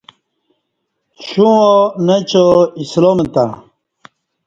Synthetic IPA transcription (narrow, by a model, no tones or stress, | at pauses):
ɕũomet͡ɕoislomet̪a̰